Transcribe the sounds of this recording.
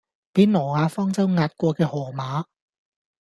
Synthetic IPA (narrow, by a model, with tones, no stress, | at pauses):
piː˨˥nnɔː˨˩ŋaː˨˧fɔː˥ŋt͡sɐ˥wŋaː˧t̚kʷɔː˧kɛː˧hɔː˨˩maː˨˥